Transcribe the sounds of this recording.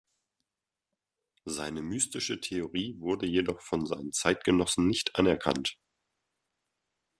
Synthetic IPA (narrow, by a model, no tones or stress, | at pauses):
zaɪnəmyːstɪʃətʰeoʁiːvʊɐdəjedɔχfɔnza̰ɪnənt͡saɪt̚ɡ̥ənɔsn̩nɪçtʔanɛɐkʰa̰nt